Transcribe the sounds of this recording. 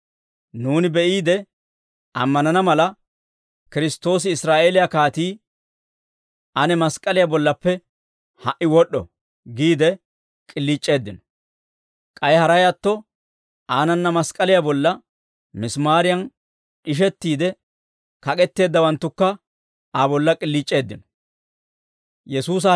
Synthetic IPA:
nuːnɪbɛʔiːd̪ɛ | ɐmːɐnɐnɐmɐlɐ | kɪɾɪst̪ːo̞ːs̬ɪːsɾaːʔeːlɪjakaːt̪iː | ʔɐnɛmɐskʼɐlɪjabɔlːɐpːɛ | hɐʔːɪwɔɗːɔ̰ | ɡiːd̪ɛ | kʼɪlːiːt͡ʃʼːe̞ːd̪ːɪnɔ̥ | kʼɐjhɐɾɐjat̪ːɔ | ʔaːnɐnːɐmɐskʼɐlɪjabɔlːɐ | mɪsmaːɾɪjɐn | ᶑɪʃ̬ɛt̪ːiːd̪ɛ | kɐkʼɛt̪ːe̞ːd̪ːɐwɐnt̪ːʊkːɐ | abɔlːɐkʼɪlːiːt͡ʃʼːe̞ːd̪ːɪnɔ̥ | jɛsuːs̬ɐ

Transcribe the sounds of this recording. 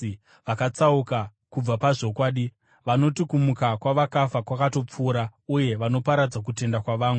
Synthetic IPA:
ʋakat͡sauka | kub͡vapaʐo̞kwaːɗi | ʋano̞tikumukakwaʋakafakwakato̞p͡fuːɾauje̞ʋano̞paɾad͡zakute̞ndakwaʋaːmwe

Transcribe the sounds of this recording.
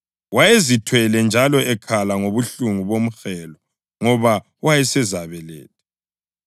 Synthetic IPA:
wajezitʰwɛlɛnd͡ʒʱalɔʔɛkʰalaŋoβuɬuŋuβom̩xɛlɔ | ŋɔβa | wajɛsɛzaβɛlḛːt̚ʰɛ̥

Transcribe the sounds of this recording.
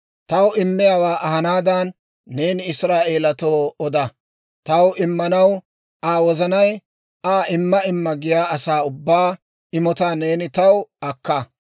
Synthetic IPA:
t̪ɐwɪmːɪjaːwaːʔɐɦɐnaːd̪ɐnː | e̞ːnɪɪsɾaːʔe̞ːlɐt̪oːɔd̪ɐ | t̪ɐwɪmːɐnɐw | aːwɔzɐnɐj | aːʔɪmːɐɪmːɐɡɪjaːɐsaːʊbːaː | ɪmɔt̪aːne̞ːnɪt̪ɐwɐkːɐ

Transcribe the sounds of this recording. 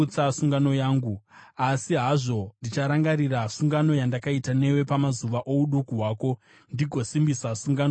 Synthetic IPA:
t͡sasuŋɡano̞jaːŋɡuasiɦaʐo̞ndit͡ʃaɾaŋɡaɾirasuŋɡano̞jandakaitane̞we̞pamazuʋaʔo̞uɗukuɦwaːko̞ | ndiɡʱo̞simbisasuŋɡano

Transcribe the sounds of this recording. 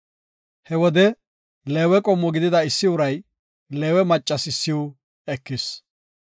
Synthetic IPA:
hɛwɔd̪ɛ | leːwɛkʼɔmːɔɡɪd̪ɪd̪ɐɪsːɪʊɾɐj | leːwɛmɐt͡ʃʼːɐsɪsːɪwʊ | ɛkːɪs

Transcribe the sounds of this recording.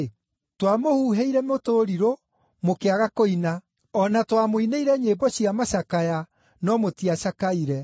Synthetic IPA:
twamohuːɦeiɾɛmotoɾiɾo | mokeaɣakoina | ɔnatwamoineiɾɛɲeːbɔɕiamaɕakaja | nɔmotiaɕakaiɾɛ

